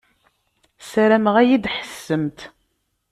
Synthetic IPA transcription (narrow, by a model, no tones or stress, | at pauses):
sæɾæməʁæjid̪ħə̥sːəmt̪